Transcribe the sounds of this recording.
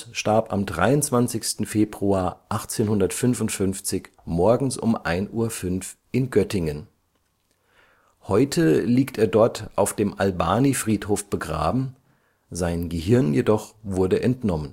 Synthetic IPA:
ʃtaɐpa̰mdʁa̰ɪʊnt͡sv̥ant͡sɪçstn̩feːbʁuaːɐʔaχt͡seːnhʊndɐtfʏnvʊntfʏnft͡sɪç | mɔɐɡŋ̩sʔʊ̰mʔa̰ɪnʔuːɐfʏnfʔɪnɡœtɪŋən | hɔʏtʰəliːkteːɐdɔɐtʰʔaʊfd̥eːmʔalba̰ːnifʁ̥iːthoːfb̥əɡʁa̰ːbm̩ | zaɪnɡəhɪɐnjedɔχv̥ʊɐdəʔɛntnɔmən

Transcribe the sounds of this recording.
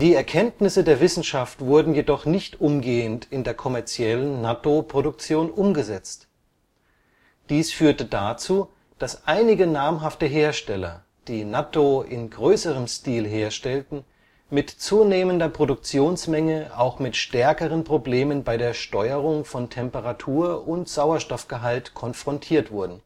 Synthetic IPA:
d̥iːɛɐkʰɛntnɪsədeːɐvɪsn̩ʃaftv̥ʊɐdn̩jedɔχnɪçtʔʊmɡeːəntɪndeːɐkʰɔmɛɐt͡sjɛlənːatopʁ̥oɾʊk̚t͡sjoːnʔʊmɡəzɛt͡st | d̥iːsfyːɐtədat͡suː | d̥asʔaɪnɪɡənaɐmɦaftəɦeːɐʃtɛlɐ̰ | d̥iːnatoʔɪnɡʁøːsəʁ̞əmstiːlɦeːɐʃtɛltn̩ | mɪtt͡suːneːməndɐpʁ̥odʊk̚t͡sjoːnsmɛŋəʔaʊxmɪtʃtɛɐkəʁ̞ənpʁ̥obleːmənbaɪɾeːɐʃtɔʏəʁʊŋfɔntʰɛmpəʁatʰuːɐʔʊntz̥aʊɐʃtɔfɡ̥əɦaltkʰɔnfʁ̥ɔntʰiːɐtv̥ʊɐdn̩

